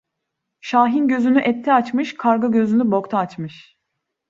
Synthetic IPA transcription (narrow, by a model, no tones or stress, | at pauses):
ʃaːɦinɟø̞zynyʔɛt̪ʰːɛat͡ʃmɯʃkʰaɾɡaɟøzynybo̞kt̪ʰaːt͡ʃmɯʃ